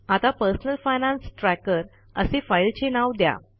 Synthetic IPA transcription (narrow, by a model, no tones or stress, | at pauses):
at̪apəɾsənəlfajnãnsʈɾækəɾ | əsefajlt͡ɕenaʋd̪ja̰